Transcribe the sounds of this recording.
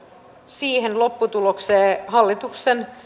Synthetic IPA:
siːhenlo̞pːut̪ulokseːhɑlːit̪uksen

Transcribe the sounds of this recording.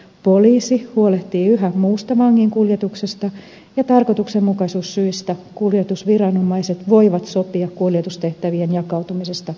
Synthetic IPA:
poliːsihuoleht̪iːyɦæmmuːst̪ɑʋɑŋːiŋkuljet̪uksest̪ɑ | jɑt̪ɑrkot̪uksemmukɑisuːsːyist̪ækuljet̪usʋirɑnomɑiset̪ʋoiʋɑt̪sopiɑkkuljet̪ust̪eht̪æʋienjɑkɑut̪umisest̪ɑ

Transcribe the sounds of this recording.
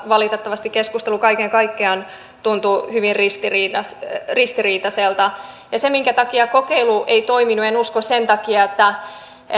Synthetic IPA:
ʋɑlit̪et̪ːɑʋɑst̪ikeskust̪elukɑikeŋkɑikːeɑn | t̪unt̪uhyʋirrist̪iriːɑsrist̪iriːt̪ɑselt̪ɑ | jɑsemiŋkæt̪ɑkiɑkokeiluʔeit̪oiminuenuskossent̪ɑkiɑet̪ːæ

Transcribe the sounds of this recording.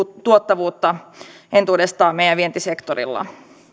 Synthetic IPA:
t̪uot̪ːɑʋuːt̪ːɑ | ent̪uːdest̪ɑːmejæʋʋie̞nt̪isekt̪orḭlːɑ̰

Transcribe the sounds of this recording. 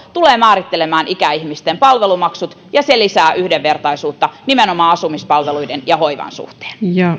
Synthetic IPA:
t̪uleːmæːɾit̪ːelemæːnʔikæihmist̪empɑlʋelumɑksut̪ | jɑselisæːʔyhdeʋʋert̪ɑisuːt̪ːɑnimenomɑːɑsumispɑlʋeluidenjɑhoiʋɑ̰nsṵht̪e̥ːnjɑ

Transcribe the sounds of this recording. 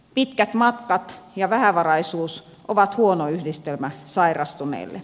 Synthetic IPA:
pit̪kæt̪mɑt̪kɑt̪jɑʋæhæʋɑrɑisuːs | ʔoʋɑt̪huonoyhdist̪elmæsɑirɑst̪unḛːlːḛ

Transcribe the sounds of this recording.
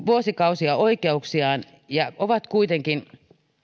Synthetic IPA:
ʋuosikɑusiɑoikeuksiɑːn | jɑoʋɑt̪kuit̪eŋkin

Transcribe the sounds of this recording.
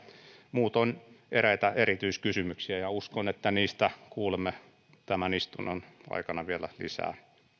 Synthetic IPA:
muːt̪oneræit̪æerit̪yiskysymyksiæjɑuskonet̪ːæniːst̪ækuːlemːe | t̪æmænist̪unːɑnɑ̰ikɑnɑʋielæ̰lḭsæ̰ː

